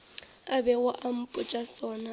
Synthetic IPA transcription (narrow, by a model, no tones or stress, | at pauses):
abɛwʊʔam̩pʼʊt͡ʃʼasɔːna